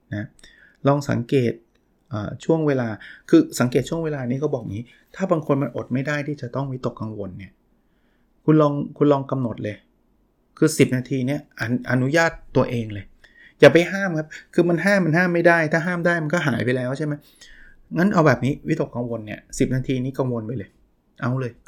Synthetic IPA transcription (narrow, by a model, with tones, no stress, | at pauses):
na˦˥ | lɔː˧ŋsa̰˩˦ŋkeː˨˩t̪̚ | ʔa̰ː˨˩t͡ɕʰu˥˩əŋweː˧laː˧kʰɯː˧sa˩˦ŋkeː˨˩t̪̚t͡ɕu˥˩əŋweː˧laː˧niː˦˥kɔː˥˩bɔː˨˩k̚niː˦˥ | t̪ʰaː˥˩baː˧ŋkʰo˧nma˧nʔo̰˨˩t̪̚ma˥˩jdaː˥˩jt̪ʰiː˥˩t͡ɕa˨˩t̪ɔ˥˩ŋwi˦˥t̪o˨˩kːa˧ŋwo˧nːi˥˩ɐ | kʰu˧nlɔː˧ŋkʰu˧nlɔː˧ŋka˧mno˨˩t̪̚lɤː˧j | kʰɯː˧si˨˩p̚naː˧t̪ʰiː˧ni˦˥˩ɐʔa˧ʔa˧nu˦˥jaː˥˩t̪ːu˧ɐʔeː˧ŋlɤː˧j | jaː˨˩p̬a˧jɦaː˥˩mkʰa˦˥p̚kʰɯː˧ma˧nɦaː˥˩mːa˧nɦaː˥˩mːa˥˩jdaː˥˩jt̪ʰaː˥˩ɦaː˥˩mdaː˥˩jma˧nkɔː˥˩ɦa̰ː˩˦jpa˧lɛː˦˥wt͡ɕʰa˥˩ma˦˥j | ŋa˦˥nʔa˧wbɛː˨˩p̚niː˦˥wt̪o˨˩kːa˧ŋwo˧nːi˥˩ɐsi˨˩p̚naː˧t̪ʰiː˧niː˦˥ka˧ŋwo˧npa˧jlɤː˧j | ʔa˧wlɤː˧j